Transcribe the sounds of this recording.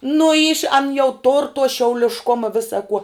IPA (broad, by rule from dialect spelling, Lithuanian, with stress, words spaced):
nʊ iːʃ ɐn jɛʊ toːr toː ʃʲɛʊlʲɪʃˈkoːmɐ ˈʋʲɪsɐ kuɔ